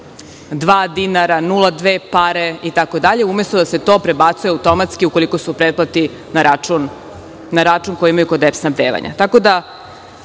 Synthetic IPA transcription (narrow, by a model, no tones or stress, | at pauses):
d̪ʋaːd̪inaɾanulˠad̪ʋeːpaɾe̞it̪ako̞d̪aʎe̞umest̪od̪ase̞t̪o̞ːpɾebat̪sujeawt̪o̞mat̪skiukoliko̞supɾed̪̚plˠat̪i | naɾaunː | aɾat͡ʂuŋkojiimajuko̞d̪epsnabd̪eːʋa̰ɲʔa̰t̪ako̞d̪a